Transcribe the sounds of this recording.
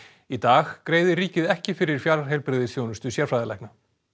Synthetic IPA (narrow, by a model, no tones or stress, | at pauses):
it̪aːɣkɾeːjðɪɾiːcɪðɛhcɪfɪɾɪɾ̥fjḁɦejlpɾɪðɪsjownʏst̪ʏsjɛɾ̥fɾajðɪla̰jkna